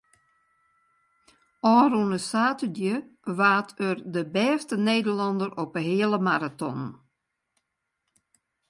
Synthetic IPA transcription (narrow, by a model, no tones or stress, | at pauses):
ɔːɾunəsaːtədjəʋaːtʰərdəbɛːstəneːdərlɑndəɾɔpəɦɪələmaɾatɔ̰n